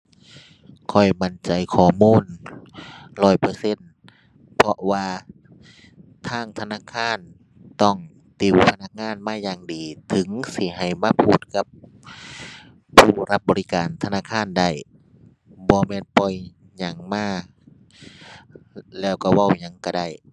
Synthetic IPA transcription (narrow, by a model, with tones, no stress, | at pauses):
kʰɔ˧˩jma˧˩nt͡ɕa˨jkʰɔː˧˩muː˧˥˨n | lɔː˧˩jpɤː˧˦se˧˥˨n | pʰɔ˧ʔwaː˧ | t̪ʰaː˧˥˨ŋt̪ʰa˧naː˧˥˨kʰaː˧˥˨n | t̪ɔ˧˩ŋ | t̪i˧˩wpʰa˧na˧˥k̚ŋaː˧˥˨nmaː˧˥˨jaː˧˩ŋdiː˨˩t̪ʰɯ˨˦ŋsi˧˩ɦa˨˩jmaː˧˨pʰuː˧˩t̪̚ka˧˥p | uː˧˩ɾa˧p̚bɔː˨ɾi˦˧kaː˨nt̪ʰa˧naː˧˥˨kʰaː˧˥˨nda˧˩j | bɔː˧˦mɛː˧˥˨npɔ˧˩j | ɲa˧˩ŋmaː˧˥˩ | lɛː˧˩wka˧˩wa˧˩˨wɲa˧˦ŋka˧˩da˧˩j